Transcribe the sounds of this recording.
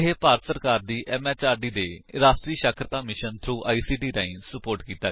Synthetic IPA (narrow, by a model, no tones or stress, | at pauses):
ɦeːpaːɾət̪səɾkaːɾd̪iːʔɛːmɛːt͡ʃaːɾɖiːd̪eːɾaːsʈɾiːəʃəkʰɾət̪aːmɪʃənt̪ʰɾuːʔa̰ːiːsiːɖiːɾaːĩnsəpoːɾʈkiːt̪aː